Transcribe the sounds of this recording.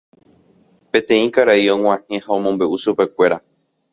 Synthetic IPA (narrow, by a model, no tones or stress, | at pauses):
pẽ̞t̪ẽĩkaɾaiõŋ̃ʷãhẽ̞haõ̞mõmbe̞ʔuʃupe̞kʷeɾa